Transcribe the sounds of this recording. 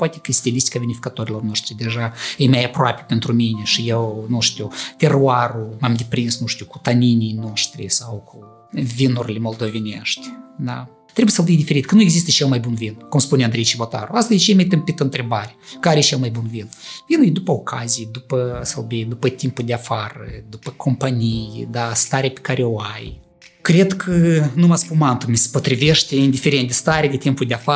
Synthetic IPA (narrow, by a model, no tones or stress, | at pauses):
poat̪ʲekəsʲt̪ʲilʲist̪i̥kavʲenifʲikat̪oɾʲilo̞rnoʃt̪ɾʲid̪ʲeʒaəjmʲajapɾoa̰pʲe̥pʲent̪ɾumʲinʲeʃijewnuʂt̪ʲut̪ʲeruaɾumamd̪ʲepɾinsnuʃt̪ʲuku̥t̪anʲinʲijnoʃt̪ɾʲḭsawkʰu | vʲinuɾʲlʲemolˠd̪ovʲenʲeʃt̪ʲd̪a̰ | t̪ɾebujsəlˠbʲijd̪ifʲeɾit̪kənujeɡzist̪əʃelˠmajbunvinkumspuneand̪ɾejt͡ʃibot̪a̰ɾuast̪azd̪ʲet͡ʃejmet̪ɨmpit̪əɨnt̪ɾe̞baɾʲekəaɾeʃelˠmajbunvinvinujd̪upəokʰazijed̪upəsəlbejd̪upət̪impuld̪eafarəd̪upəkʰo̞mpanijd̪ast̪aɾʲeapʲe̥kaɾʔeoaj | kɾe̞d̪kʰənumaspunmant̪umʲesə̥po̞t̪ɾiveʃt̪ʲeind̪ife̞ɾent̪d̪est̪aɾʲead̪et̪impuld̪ʲeafa